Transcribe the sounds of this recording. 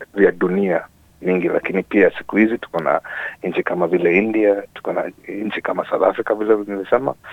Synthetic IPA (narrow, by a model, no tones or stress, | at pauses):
vjaɗunia | ɲiŋɡila̰kinipiasi̥kuhizitu̥kɔna̰ɲ̩t͡ʃikamavilɛindiatu̥kɔna̰ɲ̩t͡ʃikamasawθafɾikavilɛnivisɛma̰